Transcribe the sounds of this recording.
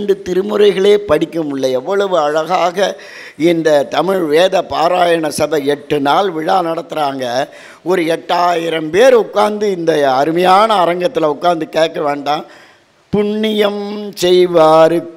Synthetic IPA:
ɳɖɯt̪ɪɾɯmɯɾɐɪɣɐɭeːpɐɽɪkːɯmɪɭːɐɛʋːɐɭɐʋɯɐɻɐɣaːɣɐ | ɪnd̪ɐt̪ɐmɪɻʋeːðɐpaːɾaːjɐɳɐsɐbɐɛʈːɯnaːlʋɪɻaːnɐɽɐt̪ːɪɾaːŋɡɐ | ɔɾɯɛʈːaːjɪɾɐmpeːɾʊkːaːɾnd̪ɯɪnd̪ɐɐɾɯmɐjaːnɐːɾɐŋɡɐt̪ːɪlɐʊkːaːɾnd̪ɯkeːʈ̚kːɐʋeːɳɖãː | pʊɳːɪjɐmsɛjʋaːɾɯ

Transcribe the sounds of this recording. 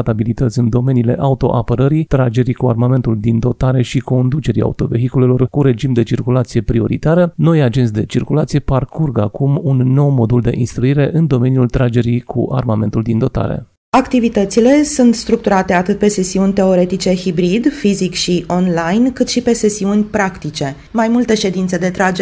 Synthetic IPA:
t̪abilit̪ət̪sʲɨnd̪o̞me̞nile̞̰ʔaut̪o̞̰ʔapəɾəɾit̪ɾad͡ʒe̞ɾikua̰rmame̞nt̪uld̪ind̪o̞t̪aɾe̞ʃiko̞nd̪ut͡ʃe̞ɾḭa̰ut̪o̞ve̞̰ɦikule̞lo̞rkuɾe̞d͡ʒimd̪e̞t͡ʃirkulat̪sije̞pɾio̞̰ɾḭt̪aɾəno̞jad͡ʒe̞nt̪sʲd̪e̞t͡ʃirkulat̪sije̞parkurɡəakumunːo̞wmo̞d̪uld̪e̞̰ʔinst̪ɾuiɾe̞ʔɨnd̪o̞me̞niult̪ɾad͡ʒe̞ɾikʰṵʔa̰rmame̞nt̪uld̪ind̪o̞t̪a̰ɾḛ | akt̪ivit̪ət̪sile̞sunt̪st̪ɾuk̚t̪uɾat̪e̞at̪ɨt̪̚pe̞se̞siunʲt̪e̞o̞ɾe̞t̪it͡ʃe̞hibɾid̪fizikʃio̞nlajnkɨt̪ʃipe̞se̞siunʲpɾakt̪it͡ʃe̞ | majmult̪e̞ʃe̞d̪int̪se̞d̪e̞t̪ɾad͡ʒ

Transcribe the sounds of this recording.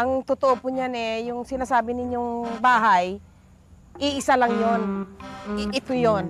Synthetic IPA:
ʔɐŋt̪ʊt̪oʔopʊɲanɛjʊŋsɪnaːsaːbɪnɪɲːoŋbaːɦaj | ʔɪʔɪsalɐŋjon | ʔɪt̪ojon

